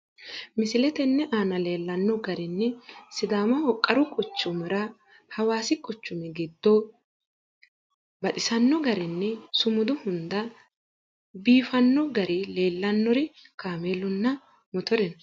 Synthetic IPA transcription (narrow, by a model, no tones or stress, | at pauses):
mɪsɪlɛt̪ɛnːɛʔaːnɐle̞ːlːɐnːɔɡɐɾɪnːɛsɪd̪aːmɐhɔkʼːɐɾʊkʼʊt͡ʃːʊmɛɾɐ | hɐwaːsɪkʼʊt͡ʃːʊmɛɡɪd̪ːo | bɐt̪ʼɪsɐnːɔɡɐɾɪnːɛsʊmʊd̪ʊhʊnd̪ɐ | biːfɐnːɔɡɐɾʔɪle̞ːlːɐnːɔɾɪ | kaːmeːlʊnːɐ | mɔt̪ɔɾɛnɐ